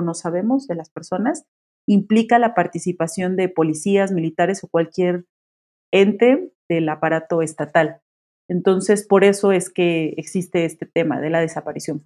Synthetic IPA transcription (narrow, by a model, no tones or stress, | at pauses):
no̞saβ̞e̞mo̞zðe̞laspe̞ɾso̞nas | implikalapaɾt̪isipasjo̞nd̪epo̞lisiazmilit̪aɾe̞so̞kwalkje̞ɾ | e̞nt̪e̞ðe̞lapaɾat̪o̞e̞st̪at̪al | e̞nt̪o̞nse̞spo̞ɾe̞so̞e̞ske̞eksist̪e̞est̪e̞t̪e̞ma̰ðe̞laðe̞sapaɾisjo̞n